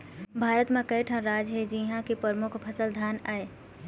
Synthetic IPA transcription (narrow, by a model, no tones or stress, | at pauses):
bʱaːɾət̪mẽkɐeʈʰə̃ɾaːd͡ʒɦed͡ʒiɦãkipɾəɾmʊkʰpʰəsəld̪ʱaːnaːe